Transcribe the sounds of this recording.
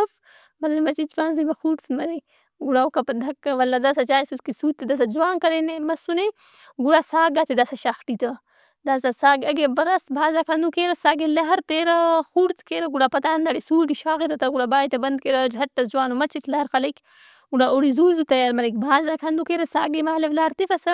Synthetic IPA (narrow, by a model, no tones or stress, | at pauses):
f | mɐlɐnmɐt͡ʃit͡ʃpaːnzimɐxuɾt̪ʰmɐɾek | ɡuɽaukɐpɐd̪ʱɐkːɐʋɐlːad̪asat͡ʃaːjsuskisuːt̪ːed̪as̬ad͡ʒuwaːŋkɐɾenemɐsune | ɡuɽasaːɡat̪ed̪asaʃaːxʈit̪ɐ | d̪aːsasaːɡɐɡebɐɾɐst̪bʱaːzakʰɐnd̪ukeːɾɐsaːɡelɐɦɐɾt̪eːɾɐxuɾt̪keːɾɐɡuɽapɐt̪aːnd̪aɽisuːʈiʃaːɣiɾɐt̪ɐɡuɽabaːjt̪ɐbɐnd̪̚keɾɐd͡ʒʱɐʈ̚ːɐsd͡ʒuwaːnumɐt͡ʃit̪lɐɦɐɾxɐlɐk | ɡuɽaoɽizuːzut̪ɐjaɾmɐɾɐk̚bʱaːzakʰɐnd̪ukeːɾɐsaːɡemaːleʋlɐɦɐɾt̪ifɐsɐ